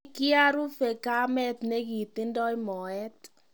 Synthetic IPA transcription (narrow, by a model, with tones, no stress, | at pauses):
kɪ˦a˦ɾu˦fe˨ka˦mɛ˦t̪ne˦ki˨t̪ɪ˦ndɔ˦i˦mɔ˨ɛ˦t